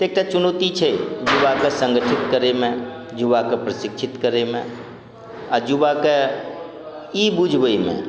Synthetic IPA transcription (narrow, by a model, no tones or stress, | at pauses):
t̪eːk̚ʈat͡ʃunot̪it͡ʃʰɛd͡ʒubakesə̃ŋɡəʈʰit̪kəɾemẽ | d͡ʒubakepɾəsɪkʃʰɪt̪kəɾemẽ | ad͡ʒubake | ibud͡ʒʱbəimḛ̃